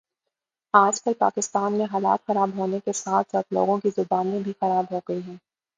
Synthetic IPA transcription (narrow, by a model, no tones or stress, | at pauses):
aːd͡ʒpɐlpa̰ːkɪst̪aːnmẽɦaːla̰ːt̪xɐɾaːbɦoːnekesaːt̪ʰsɐt̪lo̰ːɡõkizʊbaːnmẽbʱixɐɾaːbɦoːɡɐiɦɛ̃ː